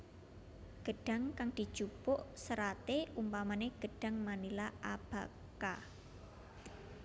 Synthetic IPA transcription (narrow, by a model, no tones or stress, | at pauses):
ɡ̥ə̤ɖ̥a̤ŋkaŋd̥i̤d̥ʒ̥upʊʔsəɾat̪eʔumpamaneɡ̥ə̤ɖ̥a̤ŋmanilaʔab̥a̤ | ka